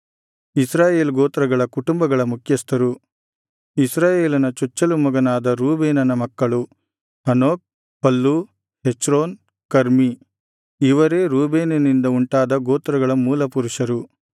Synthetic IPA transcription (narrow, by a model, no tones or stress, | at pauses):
isɾaːjeːlɡoːt̪ɾɐɡɐɭɐkuʈumbɐɡɐɭɐmukʰjɐst̪ɐɾu | isɾaːjeːlɐnɐt͡ʃut͡ʃːɐlumɐɡɐnaːd̪ɐɾuːbeːnɐnɐmɐkːɐɭu | hɐnoːk̚ | pɐlːu | het͡ʃɾoːn | kɐɾmi | iʋɐɾe̞ːɾuːbeːnɐnind̪ɐuɳʈaːd̪ɐɡoːt̪ɾɐɡɐɭɐmuːlɐpuɾuʂɐɾu